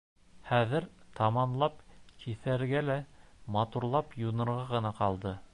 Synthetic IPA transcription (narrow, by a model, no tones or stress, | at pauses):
χæðɘɾt̪ɑmɑnlˠɑpkʰiθæɾɡælæmɑt̪uɾlˠɑpjunɤ̆ɾʁɑʁɤ̆nɑqɑlˠd̪ɤ